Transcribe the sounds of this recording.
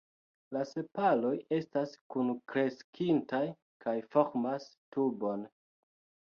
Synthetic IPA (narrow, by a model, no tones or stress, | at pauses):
lase̞palo̞je̞staskunkɾe̞skʰintaj | kʰajfo̞ɾmastubo̞n